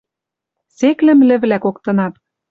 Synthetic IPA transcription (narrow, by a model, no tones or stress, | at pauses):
seklɘ̆mlɘ̆βlækokt̪ɤ̆nɑt̪̚